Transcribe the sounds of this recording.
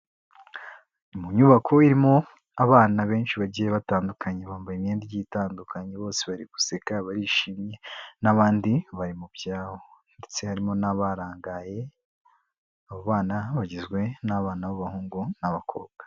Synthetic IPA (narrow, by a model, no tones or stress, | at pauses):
muɲuβakʰo̞iɾimo̞ | aβaːnaβe̞ːnʃiβaɟijeβataːndukʰaɲe̞βaːmbajimjeːndijiːtaːndukʰaɲeβo̞ːseβaɾiɡ̥u̥sekaβaɾiːʃiːmɲe̞naβaːndiβaɾimubɟaːhonde̞t͡se̞haɾimo̞naβaɾaːŋɡaje̞ | aβoβaːnaβaɟizɡwe̞naβaːnaβaβahuːŋɡunaβakʰo̰ːβ̚ɡ̥ḁ